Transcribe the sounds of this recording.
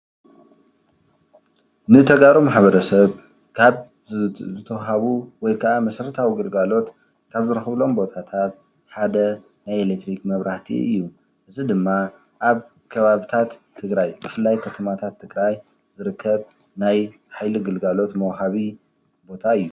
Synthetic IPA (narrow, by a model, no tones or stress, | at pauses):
nɨt̪ʰɐɡaɾomaħβɐɾɐsɐβ | kʰaβ | zɨt̪ʰɐwɦaβuwɔjkʰaʔamɐsɾɨt̪ʰawiɡɨlɡalo̞t̪ | kʰaβzɨɾɨxβlo̞mbo̞t̪ʰat̪ʰat̪̚ | ħad̪ɐ | najelekt̪ːɾikmɐβɾaht̪ʰḭʔɨ̰jːu | ʔɨzid̪ɨmːa | ʔaβ | kʰɐβaβɨt̪ʰat̪ʰːɨɡɾajbɨfɨlːajkʰɐt̪ʰɐmat̪ʰat̪ʰːɨɡɾaj | zɨɾɨkʰːɐβ | naj | ħajliɡɨlɡalo̞t̪mɐwɦaβi | bo̞t̪ʰaɨjːu